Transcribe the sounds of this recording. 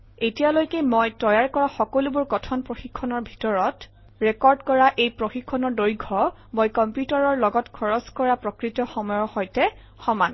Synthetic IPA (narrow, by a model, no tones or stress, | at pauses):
etijalojkɛmojtɔjaɹkɔɹaxɔkolubʊɹkɔtʰɔnpɹoxikʰːɔnɔɹbʱi̥tɔɹɔt | ɹɛkɔɹdkɔɹaʔejpɹoxikʰːɔnɔɹdoɹiɡʱɔ | mojkɔmpjutaɹɔɹlɔɡɔtkʰɔɹɔskɔɹapɹɔkɹitɔxɔmɔjɔxɔjtɛ | xɔman